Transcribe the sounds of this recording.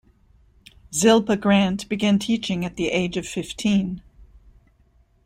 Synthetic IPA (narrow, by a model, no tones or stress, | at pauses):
zɪlˠpɨɡɹæ̃ntb̥ɨɡæ̃ntʰit͡ʃɪ̃ŋɨt̪̚ðiʔeɪd͡ʒʌv̥fɪftʰĩn